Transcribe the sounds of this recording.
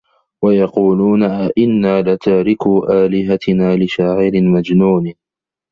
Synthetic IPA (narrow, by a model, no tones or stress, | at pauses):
wajɑquːluːnaʔɪnːaːlat̪aːɾɪkuːʔaːlɪɦat̪ɪnaːlɪʃaːʕɪɾɪmad͡ʒnuːn